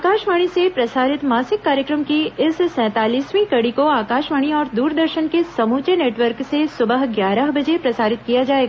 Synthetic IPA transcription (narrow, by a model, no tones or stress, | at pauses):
aːkaːʃʋaːɽ̃isepɾɐsaːɾɪt̪maːsɪkːaːɾjəkɾəmkiɪssɛ̃ːt̪aːliːsʋĩkɐɽikoaːkaːʃʋaːɽ̃iɔːɾd̪uːɾd̪əɾʃənkesɐmuːt͡ʃeneːʈʋəɾksesʊbəɦɡjaːɾəɦbɐd͡ʒepɾɐsaːɾɪt̪kijad͡ʒaːeːɡa